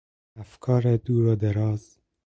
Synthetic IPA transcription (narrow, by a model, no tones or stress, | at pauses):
afkʰɑːɾad̪uːɾɔd̪aɾɑːz̥